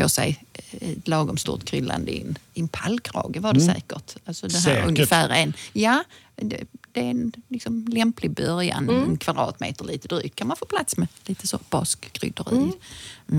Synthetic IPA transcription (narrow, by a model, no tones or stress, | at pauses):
o̰ːsɛ̰jt̪lɑːɡɔmst̪ṵːɾt̪kʰɾʏlːa̰nd̪əɪ̰nɪnpʰalkʰɾɑ̰ːɡəvaɖɛsɛ̰ːkəʈalsɔd̪ɛɦɵ̰nəfæːɾɛnjaː | d̪ɛd̪̥ɛɛnlɪksɔmlɛmplɪɡ̚bœɾja̰nɛnkʰvad̪ɾɑ̰ːt̪mḛːt̪əɾɭiːt̪əd̪ɾɪt̪̚ʰːanmanfoːpʰlat̪smɛliːt̪əsob̥ɑskɡɾʏ̰d̪əɾḭː